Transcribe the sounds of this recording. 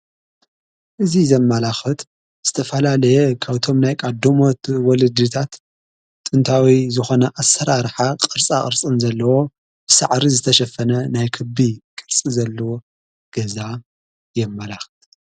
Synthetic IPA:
ʔɨzizɐmːalaxɨt̪ | z̥ɨt̪ʰɐfɐlalɐjɛkʰaβt̪ʰo̞mnajkʼad̪ːomo̞t̪wɔlɨd̪ːɨt̪ʰat̪ːʼ | ɨnt̪ʰawizɨxo̞nɐʔasːɐɾaɾħaqʼɨɾt͡sʼakʼɨɾt͡sʼɨnzɐlːɐwo̞ | bɨsa̰ʕɾizɨt̪ʰɐʃɐfɐnɐnajkʰɨbikʼɨɾt͡sʼizɐlːɐwo | ɡ̥ɐza | jɛmːɐlaxɨ̥t̪

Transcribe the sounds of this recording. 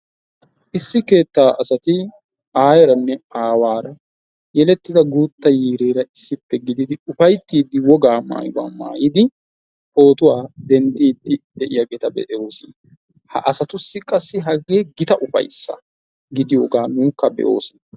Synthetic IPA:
ʔɪsːɪke̞ːt̪ːaːʔɐsɐt̪ɪ | aːjɛɾɐnːɛaːwaːɾɐ | jɛlɛt̪ːɪd̪ɐɡuːt̪ːɐjiːɾeːɾɐɪsːɪpːɛɡɪd̪ɪd̪ɪʊfɐjt̪ːiːd̪ːɪwɔɡaːma̰ːjwa̰ːma̰ːjɪd̪ɪ | ho̞ːt̪ʊwaːd̪ɛnd̪iːd̪ːɪd̪ɛʔɪjaːɡeːt̪ɐbɛ̰ʔɛo̞ːsɪn | hɐ̰ʔɐsɐt̪ʊsːɪkʼɐsːɪɦɐɡe̞ːɡɪt̪ɐʔʊfɐ̰jsːɐ̰ | ɡɪd̪ɪjoːɡaːnuːkːɐbɛ̰ʔo̞̰ːsɪn

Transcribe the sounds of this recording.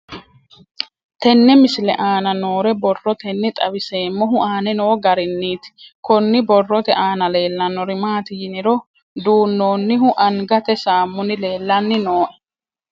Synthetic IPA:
t̪ɛnːɛmɪslɛ̰ʔaːnɐno̞ːɾɛbɔrːɔt̪ɛnːɪt̪ʼɐbɪse̞ːmːɔɦʊʔaːnɛnoːɡɐɾɪnːiːt̪ɪ̥kɔnːɪbɔrːɔt̪ɛʔaːnɐle̞ːlːɐnːɔɾɪmaːt̪ɪjɪnɪɾɔ | d̪uːnːoːnːɪɦʊʔɐŋɡɐt̪ɛsaːmːʊnɪle̞ːlːɐnːɪnoːʔɛ̥

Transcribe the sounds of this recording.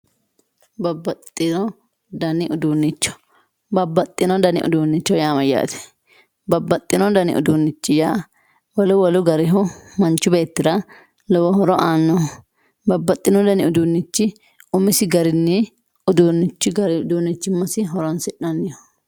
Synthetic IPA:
bɐbːɐt̪ʼːɪnɔ | d̪ɐnɪʔʊd̪uːnːɪt͡ʃːɔ̥ | bɐbːɐt̪ʼːɪnɔd̪ɐnɪ̰ʔʊ̰d̪uːnːɪt͡ʃːɔjaːmɐjːa̰ːt̪ɛ̥ | bɐbːɐt̪ʼːɪnɔd̪ɐnɪ̰ʔʊ̰d̪uːnːɪt͡ʃːɪjaː | wɔlʊwɔlʊɡɐɾɪɦʊmɐnt͡ʃːʊbe̞ːt̪ːɪd̪ɐ | lɔwɔɦɔɾɔʔaːnːɔ | bɐbːɐt̪ʼːɪnɔd̪ɐnɪʊd̪unːɪt͡ʃːɪ | ʊmɪsɪɡɐɾɪnːɪ | ʊd̪unːɪt͡ʃːɪɡɐɾɪʊd̪uːnːɪt͡ʃːɪmːɐsɪɦɔɾɔnsɪᶑɐnːɪjɔ

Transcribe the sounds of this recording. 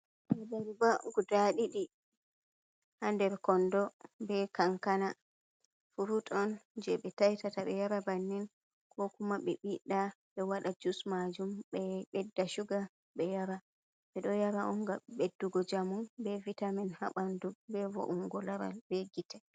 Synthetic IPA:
ʔɛdaɾbaɡudaɗiɗi | handɛɾkɔndɔbɛkaŋkana | fuɾutɔnd͡ʒɛɓɛtajtataɓɛjaɾabanːin | kʰɔkumaɓɛɓiɗaɓɛwaɗad͡ʒusmad͡ʒumɓɛɓɛdːaʃuɡa | bɛjaɾa | ɓɛɗɔjaɾaɔŋɡaɓedːuɡɔd͡ʒamunbɛvitamɛnha̰ɓandubɛvɔ̰ʔuŋɡɔlaɾa̰lbɛɡitɛ̥

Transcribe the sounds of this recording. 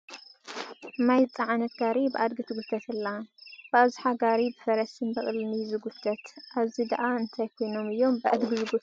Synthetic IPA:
majt͡sʼaʕanɐt̪ɡaɾibɨʔad̪̚ɡɨt̪ʰɨɡut̪ʰɐt̪ʰɨlːab̥ɨazuħaɡaɾibɨfɐɾɐsʰɨnbɐχʼlnɨjzɨɡut̪ʰːɐt̪ʔaβzid̪aʔaɨnt̪ʰajkʰo̞jno̞mɨjːo̞mbɨʔa̰d̪ɡɨzɨɡu

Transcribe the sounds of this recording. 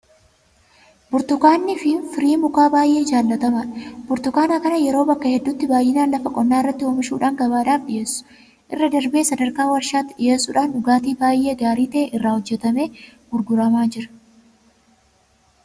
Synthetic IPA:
bʊɾt̪ʊkaːnːɪfɪfɪɾiːmʊkaːbaːjʔe̞ːɪd͡ʒaːlːɐt̪ɐmɐᶑɐbʊɾt̪ʊkaːnaːkɐnɐjɛɾo̞ːbɐkːɐhɛd̪ːut̪ːɪbaːjːɪnaːnlɐfɐkʼɔnːaːɪrːɐt̪ːɪoːmɪʃṵːᶑaːŋɡɐbaːᶑaːfɗɪje̞ːsːʊ̥ | ʔɪrːɐd̪ɐɾbe̞ːsɐd̪ɐɾkaːwɐɾʃaːt̪ːɪᶑɪjeːsːʊᶑaːnʊɡaːt̪iːbaːjʔe̞ːɡaːɾiːt̪ɐeʔɪrːaːhɔd͡ʒːɛt̪ɐme̞ːɡʊɾɡʊɾɐmaːd͡ʒɪɾɐ̥

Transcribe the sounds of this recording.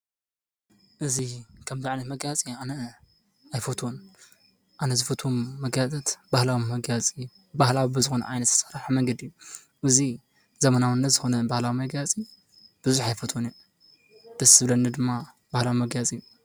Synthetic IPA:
ʔɨzikʰɐmzaʕnɐt̪mɐɡjat͡sʼianɐ | ajfot̪ʰwon | ʔanɐzɨfɐt̪ʰwomːɐɡjat̪ʼɐt̪bahlawimɐɡjat͡sʼi | bahlawibɨzɨxonɐ̰ʔajnɐt̪ʰɐ̥sɐɾaħamɐŋɡɐd̪ijːu | ʔɨzi | zɐmɐnawɨnːɐt̪zɨxonɐbahlawimɐɡjat͡sʼi | b̥ɨzuħajfot̪ʰwoniju | d̪̥ɐsɨβlɐnːɐd̪ɨmːa | bahlawimɐɡjat͡sʼiju

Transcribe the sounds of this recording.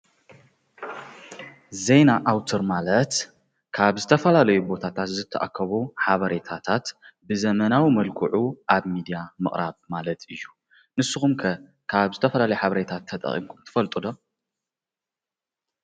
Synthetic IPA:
ze̞jnaʔawt̪ʰɨɾmalɐt̪ | kʰaβzɨt̪ʰɐfɐlalɐjubo̞t̪ʰat̪ʰat̪zɨt̪ʰːɐʔa̰kʰːɐβuħaβɐɾe̞t̪ʰat̪ʰat̪bɨzɐmɐnawimɐlkʼʰṵʕuʔaβmid̪ijamɨ̰χʼɾaβmalɐt̪ɨjːu | nɨsːɨxumkʰɐ | kʰaβzɨt̪ʰɐfɐlalɐjuħaβɐɾe̞t̪ʰat̪ʰːɐt̪ʼɐ̰χʼḭmkʰumt̪ʰɨ̥fɐlt̪ʼud̪o

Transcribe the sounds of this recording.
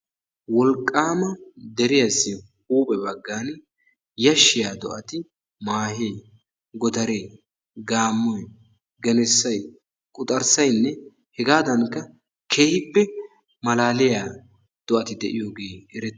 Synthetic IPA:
wɔlkʼːaːmɐd̪ɛɾɪjɐsːɪhuːpʼɛbɐɡːaːn | jɐʃːɪjaːd̪ɔ̰ʔɐt̪ɪ | maːɦej | ɡɔd̪ɐɾej | ɡaːmːɔj | ɡɛnɛsːɐj | kʼʊt̪ʼɐɾsɐjnːɛ | hɛɡaːd̪ɐnkːɐ | kʰe̞ːhɪpːɛ | mɐlaːlɪjaː | d̪̥ɔʔɐt̪ɪd̪ɛʔɪjoːɡe̞ːɛɾɛ

